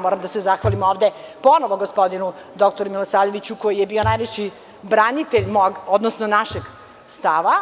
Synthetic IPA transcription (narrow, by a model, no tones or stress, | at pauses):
moɾamd̪asezaxʋalimo̞ːʋd̪e̞po̞noʋoɡospo̞d̪inu | d̪o̞kt̪oɾumilosaːʎeʋit͡ɕuko̞jije̞bio̞najʋet͡ɕi | bɾanit̪eʎmoɡod̪nosnonaʃe̞ɡ | st̪aʋa